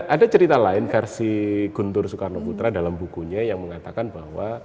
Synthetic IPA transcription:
ʔadat͡ʃəɾit̪alaɪnfɛrsiɡ̥unt̪ʊrsukarnoput̪ɾadalambukuɲajaŋməŋat̪akanbahwa

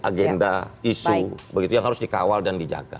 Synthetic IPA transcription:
ʔaɡɛndaisubəɡit̪ujaŋɦaɾʊsdikawaldandid͡ʒa̰ɡa̰

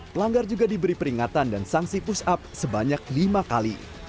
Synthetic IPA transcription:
pəlaŋɡard͡ʒuɡadibəɾipəɾiŋat̪andansaŋsipusap̚səbaɲak̚limakalḭ

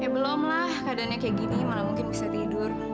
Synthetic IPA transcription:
jabəlɔmlahkadanɲakajaɡinimalahmuŋkɪnbisat̪idʊr

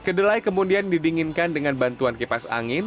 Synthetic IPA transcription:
kədəlajkəmudiandidiŋɪnkandəŋanbant̪uankipasa̰ŋɪn

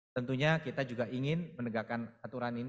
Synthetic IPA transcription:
t̪ənt̪uɲakit̪ad͡ʒuɡaʔiŋɪnmənəɡakanat̪uɾanin

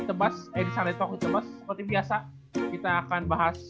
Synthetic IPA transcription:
t̪əbasedisanit̪ɔkit̪əbasːəpərt̪ibiasa | kit̪aːkanbaɦas

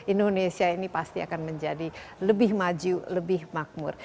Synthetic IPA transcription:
indonesiainipast̪ia̰kanməɲd͡ʒadiləbɪhmad͡ʒuləbɪhmak̚mʊ̰r

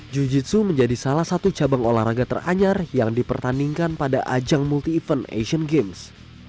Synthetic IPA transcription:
d͡ʒud͡ʒisuməɲd͡ʒadisalahsat̪ut͡ʃabaŋolahɾaɡat̪ə̰ra̰ɲarjaŋdipərt̪andiŋkanpadaʔad͡ʒaŋmult̪iːfənḛʃənɡems

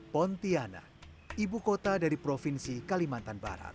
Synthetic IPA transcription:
pɔnt̪iana̰ | ibukot̪adaɾipɾofinsikalimant̪anba̰ɾa̰t̪̚

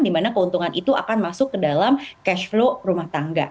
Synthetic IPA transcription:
dimanakəunt̪uŋanʔit̪ua̰kanmasʊkːədalamkɛʃflorumaht̪aŋɡa̰

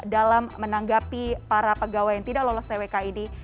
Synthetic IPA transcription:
dalamːənaŋɡapipaɾapəɡawajaŋt̪idaklolɔst̪ewekaini

